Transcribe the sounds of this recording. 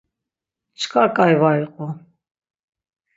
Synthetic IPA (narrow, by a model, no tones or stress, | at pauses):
t͡ʃʰkʼakʼajvaiqʼɔ